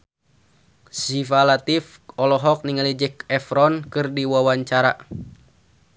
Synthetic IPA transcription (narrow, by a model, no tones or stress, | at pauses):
sifalat̪ifɔlɔɦɔk̚niŋalid͡ʒəkɛfɾɔnkɨrdiwawaɲt͡ʃaɾa